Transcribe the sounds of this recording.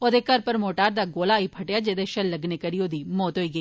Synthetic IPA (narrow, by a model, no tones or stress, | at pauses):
od̪ekɐɾpɐɾmoːʈaːɾd̪aɡoːlaːipʰɐʈjad͡ʒeːd̪eʃɐlːɐɡnekɐɾijoːd̪imoːt̪ɦoːiɡɐiː